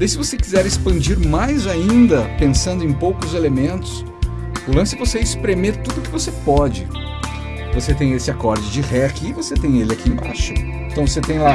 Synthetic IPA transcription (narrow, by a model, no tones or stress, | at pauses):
d̪ejsɪvosekizɛɾɪspɐ̃d͡ʒiɾmajzaĩnd̪ɐpẽsɐ̃nd̪ʊẽj̃powkʊzelemẽnt̪ʊ̥s | ʊlɐ̃sʊɛvoseɪspɾemeɾt̪ud̪ʊkɪvosepɔd͡ʒɪ | voset̪ẽj̃esɪakɔɾd͡ʒɪd͡ʒɪʁɛakiːvoset̪ẽj̃elɪakiẽj̃ba̰ʃʊẽt̪ɐ̃w̃voset̪ẽj̃la